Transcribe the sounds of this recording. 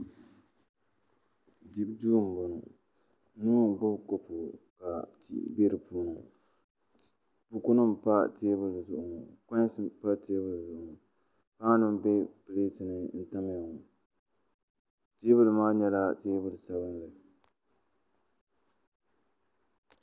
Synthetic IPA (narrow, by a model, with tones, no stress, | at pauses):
di˦bd͡ʒuː˦˨m̩˨bʊ˨nu˨ | nuː˦˨bʊ˦bko˦pu˨ka˨ | ḭ˦be˦ɾɨ˨puː˦nu˨ | pu˨ku˦nɨ˦mpa˦teː˦bɨ˦lɨ˨zʊ˦ʔʊ˨nɨ˨kã˦ɲ˦sɨ˦pa˦teː˦bɨ˦lzʊ˨ʔʊ˨nɨ˨ | pa˦ŋ˦nɨ˦m˦be˦pɨ˨le˦tɨ˨nɨ˦n̩˦ta˦m˦ja˨ŋu˨ | te˦bɨ˦lɨ˨maː˦ɲɛ˦la˦teː˦bɨ˦˨lɨ˨sa˦βɨ˦n˦lɨ˨